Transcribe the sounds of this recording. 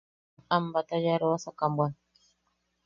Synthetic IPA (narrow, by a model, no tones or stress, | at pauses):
ambat̪ad͡ʒaɾowasakambwan